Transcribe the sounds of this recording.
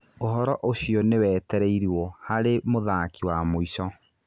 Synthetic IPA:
oɦɔɾɔʔoɕiɔnewɛːtɛɾɛiɾiwɔhaɾemoðakiwamoisɔ

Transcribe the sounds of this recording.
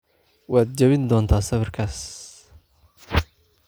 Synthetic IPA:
waːd̪̚d͡ʒɐβɪnd̪ɔːnt̪ʰaːsɐβrkʰaːs

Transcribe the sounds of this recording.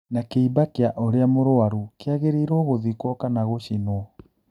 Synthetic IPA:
nakeibakeaʔoɾeamoɾoaɾukeaɣeɾiːɾɔɣoðikwɔkanaɣoʃinɔ

